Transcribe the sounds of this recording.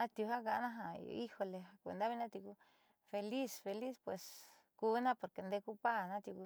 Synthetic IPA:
a˧t̪ju˧ɦa˦ɡa˧˨˦nã˦ɦa̰˧i˦ho˧le˨a˧kʷḛ˧nd̪a˦βi˦nã˦t̪i˧ku˧ | fe˧li˦sfe˧li˦spwe˨s | ku˧˦nã˦po˨ɾke˨˧nd̪e˧ku˦pa˦nã˦t̪ju˧ku˧

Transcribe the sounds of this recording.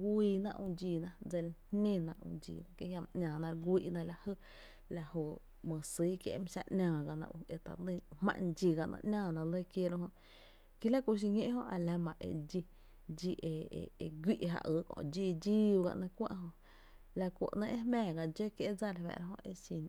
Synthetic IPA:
ɡʷiː˧˨nã̰˧ʔũ˧d͡ʒiː˧˨nã˧d͡ze˧˨lhẽ˧nã˧ʔṵ̃˧d͡ʒḭː˧˨nã˧ke˧˦hja˧m˧ʔɲʲãː˨nã˧ɾɡʷiː˧ʔnã˧la˧hə˦ | la˧ho˧˨ | mə̃˨siː˦kjḛ˧ʔm˧ʃa˧ʔʔnʲãː˧˨ɡa˧nã̰˧ʔu˧e˧t̪a̰˨d̪ĩ˧hmã̰˧ʔnd͡ʒi˧ɡa˧˨ʔnʔã̰˧ʔnʲãː˧˨nã˧lə˦kje˦ɾõ˧ɦõ˧ʔ | ki˦la˦ku˧ʃ̬i˧ɲẽ˦ʔɦõ˦ʔa˧la˧mã˨ʔḛ˧d͡ʒi˧ | d͡ʒi˧ʔḛ˧˨e˧ɡʷi˦ʔɦa̰˧ʔə˧˦kõ̰˧ʔd͡ʒi˧d͡ʒi˦wɡa̰˧ʔnə̃˧kʷã̰˦˧ʔɦõ˧ | la˧kṵ˨ʔnə̃˧ʔe˦hmɛ̃ː˦˨ɡa˧˨d͡ʒe˦kje˧d͡za˧la˨wɛ̰˨ɾa˧ɦõ˧ʔe˧si˧n

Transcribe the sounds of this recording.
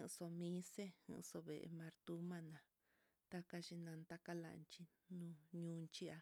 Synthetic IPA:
hɨ̃˧so˧mĩ˦se˦hɨ̰̃˧so˧βe˨ʔmã˧ɾt̪u˦mã˧nã˨ | t̪a˦ka˧ʃi˧nã˧nt̪a˦ka˦la̰˧˨˧nt͡ʃi˧ | nũ˦ɲũ˦nt͡ʃi˦a˧

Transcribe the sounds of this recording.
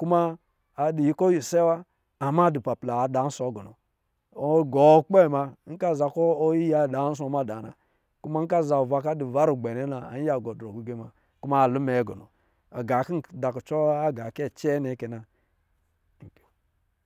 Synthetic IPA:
ku˦maː˦˨ | di˨ji˦ko˦ji˨se˦wa˦ | a˨ma˦di˨pa˨pla˨da˨˦n̩˦so˨˦ɡo˨no̰˨˦ | ɡɔ˨˦k͡pe˦˨ma˦˧˦ŋ̩˦ka˦˨za˨ko˦ji˦ja˨˦˨da˨˦s̬o˨˦ma˦˨da˨na̰˨ | ku˦ma˦ŋ̩˦ka˦˨za˨o˨va˦ka˦di˨va˦ɾu˨ɡ͡be˨ne˨˦na˨a̰˨n˦ja˨ɡo˨dɾo˨ɡu˨˦ɡe˦ma˨ | ku˦ma˦˨lu˦me˨˦ɡo̰˨no̰˨ | a˨ɡa˨ki˦n˨da˨ku˨t͡ʃo˦a˦ɡa˨ke˦˨t͡ʃe˦ne˨˦ke˨na˨

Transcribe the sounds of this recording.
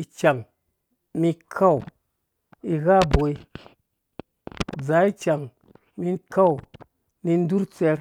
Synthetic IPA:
i˧t͡ʃa˨ŋ | mi˧kʰa˦˨w | i˧ɣa˦bo˨i˦ | d͡za˨˦i˦t͡ʃa˨ŋ | mi˧ka˦w | ni˧n̩˦du˦ɾt͡sɛ˧ɾ

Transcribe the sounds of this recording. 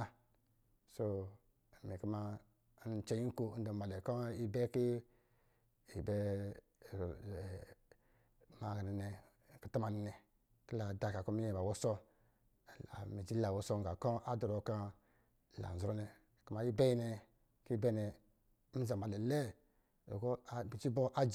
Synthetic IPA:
a˦ | so˦˨ | mi˨ku˦ma˦ | n˦t͡ʃe˦ji˦ko˦n̩˦do˨ma˨lɛ˨kɔ˦i˦bɛ˦ki˦ | i˨bɛ˦˨ | ma˨ɡa˨i˨nɛ˨ | ki˨ta˦ma˨ni˨nɛ˨ | ki˦la˨da˨ka˨kɔ˦mi˦je˨ba˨wo˦sɔ˦˨ | a̰˨mi˨d͡ʒi˦a˨wo˨˦so˦ŋ˨ɡa˨kɔ˦a˦dɔ˨ɾo˨ka˦˨ | la̰˨n̩˨zɾo˦nɛ˨ | ku˦ma˨ji˦bɛ˦i˦nɛ˨ | ki˦bɛ˦nɛ˨˦ | za˨ma˨lɛ˨lɛ˦ | o̰˨kɔ˦˨bi˨t͡ʃi˦bo˦ʔa˦d͡ʒ

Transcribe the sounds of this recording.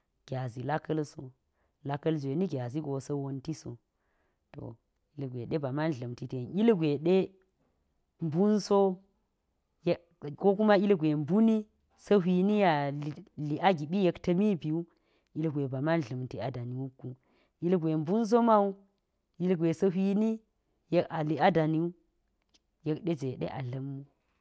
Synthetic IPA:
ɡ̥ʲa˨zi˨la˦kɐ˦lso̰˨ | la˦kɐ˦lzʷe˨ni˦ɡʲa˨zi˦ɡo˨sɐ˦wo˦nti˦so̰˨ | to̰˨ | i˨lɡʷḛ˨ɗe˦ba˨ma˦n˨ɮɐ˨mti˨te˨ni˦lɡʷe˨ɗe˦ | m˦bu˦nso˦ | j | ko˦ku˦ma˦i˦lɡʷe˨mbu˦ni˦ | so˦ɦʷi˨ni˦ja˨i˨li˨ʔa˦ɡi˨ɓi˦je˦ktɐ˦mi˦bi˨u˦ | i˦lɡʷe˨ba˨ma˦n˨ɮɐ˨mti˨a˨da˨ni˨wu˦kːu˦ | i˦lɡʷe˨m˦bu˦ns̬o˦ma˦u˦ | i˦lɡʷe˨sɐ˦ɦʷi˦ni˦ | je˦ka˨li˨a˦da˨ni˦u˦ | je˦kɗe˦d͡ʒe˨ɗḛ˦ʔa̰˨ɮɐ˦mːu˦

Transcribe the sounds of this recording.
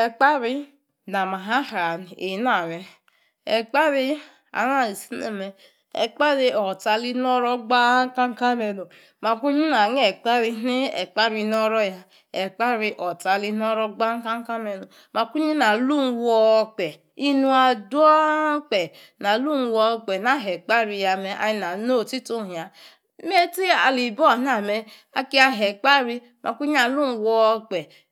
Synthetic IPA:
ɛ˨k͡pa˦ɾi˧ | na˨ma˨ɦa˦ha˨n˨e˨˦na˨ɾɛ˨ | ɛ˨k͡pa˦ɾi˧ | a̰˨n˦a˦˨i˨si˦nḛ˨mɛ˧ | ɛ̰˨k͡pa˦ɾi˧ɔ˨ta˧li˦nɔ˦ɾɔ˦ɡ͡ba˦ka˦ŋ˦ka˦mɛ˧no˨ | ma˨ku˦ɲi˦na˨n˦ɛ˨k͡pa˦ɾi˧ni˦ɛ̰˨k͡pa˦ɾi˧nɔ˦ɾɔ˦ja˧ | ɛ˨k͡pa˦ɾi˧ʔɔ˨ta˧li˧˦n˦ɔ˦ɾɔ˦ɡ͡ba˦ŋ̩˦ka˦ŋ˦ka˦mɛ˧no˨ | ma˨ku˦ɲi˦na˨lu˦n˦wɔ˦˧˦k͡pe˨ | i˦nu˦a˨du˦ɔ˦k͡pe˨ | na˨lu˦n˨˦wɔ˧˦k͡pe˨na˨˦˨ɦe˨k͡pa˦ɾi˧ja˨me˨ʔa̰˨ji˦na˨no˦˨ti˦to˦˨ɦĩ˨a˨ | me˦ti˦a˨li˨bɔ˦˨n˦a˨me˨ | a˨ki˦a˦ɦe˨k͡pa˦ɾi˦ | mʔa̰˨ku˦ɲi˦a˨lu˦n˨wɔ˦k͡pe˨

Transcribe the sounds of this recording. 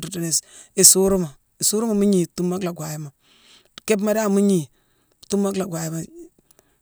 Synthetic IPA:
tu˨ta˨ne˨si˨su˦ɾu˦ma˨ | i˨su˦ɾu˦ma˨mu˦ɲi˨tu˦mːa˦kla˨ɡʷa˨ji˦ma˨ | ke˦b̬ma˦da˦˨mu˦ɲi˨ | tu˦mːa˦kla˨ɡʷa˨ji˦ma˨

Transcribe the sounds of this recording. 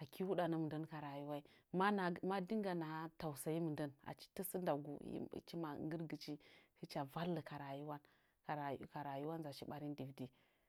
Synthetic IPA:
a˨ki˦wu˦ɗa˨nə˦m˨ndə˦nka˨ɾa˨ju˦wa˦i˦ | ma˦na˨ma˦di˦ŋ˦ɡa˨na˨˦ta˨wsa˨ji˦mə˨ndə˦na̰˨t͡ʃi̥˦tə˦sə˦nda˨ɡṵ˨jḭ˦t͡ʃi˦ma̰˨ŋɡə˦ɾɡə˨t͡ʃi˦hi˦t͡ʃa˨va˦lːə˨ka˨ɾa˨ju˦wa˦n | ka˨ɾa˨˦ka˨ɾa˨ju˦wa˦n˦za˨ʃi˦ɓa˦ɾi˦n˦di˨vdi˦

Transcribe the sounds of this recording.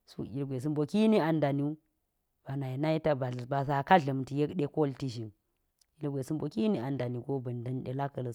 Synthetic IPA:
sṵ˦i˨lɡʷe˨s̬i˦mbo˨ki˦ni˦a˨nda˨ni˦ | b̥a˨na˨ji˨na˦i˦ta˦ba˨ɮba˨s̬a˨ka˦ɮɐ˨m˨ti˨je˦kɗe˦ko˦lti˦ʃi˨n | i˦lɡʷe˨si˦mbo˨ki˦ni˦a˨nda˨ni˨ɡo˦bɐ˨nda˦nɗe˨la˦kə˨lə˨

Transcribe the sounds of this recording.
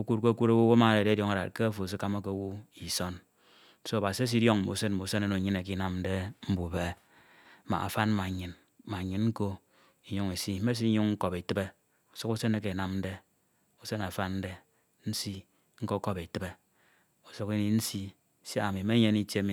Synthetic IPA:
o˦kʷu˦t̚ko˦a˦ku˦ɾo˦wo˦wo˦ma˨de˨de˦djo˨ŋa˨ɾa̰˨t̚ke˦a˦fo˨s̬i˦ka˦ma˦ke˦wu˦i˨so˦n | so˦a˨ba˨si˦e˦s̬i˦djo˦ŋ̩˨mo̰˨se˦nm̩˨o˨˦se˦ne˦no˨ɲɨ˦ne˨k̬i˦na˦mn̩˦de˦m̩˦bu˨be˨ | ma̰˨a̰˨fa˦n˦ma˨ɲɨ˨n | ma˨ɲɨ˨nŋ̩˦ko˦ | i˨ɲu˦ŋe˨si˦e˦s̬i˦ɲu˦ŋŋ̩˦ko˨pe˨tɨ˦be˦ | u˨su˦ku˦se˦ne˦ke˨na˦mn̩˦de˦ | u˦se˦na˨fa˦nn̩˦de˦ | n̩˦si˦ | ŋ̩˦ko˦ko˦be˨tɨ˦be˦ | o˨so˦ki˦ni˦n̩˦si˦ | si˦a˨mi˨me˦ɲe˦ni˦tje˦mi˨˦

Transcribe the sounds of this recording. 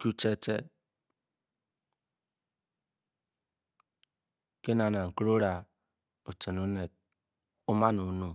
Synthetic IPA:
ku˦t͡ʃe˦t͡ʃḛ˦ | ke˦na˨na˨ŋ̩˨kɾo˦ɾa˨ | o˨t͡ʃe˨no˦ne˨ | u˦ma˦nu˨˦nu˦˨

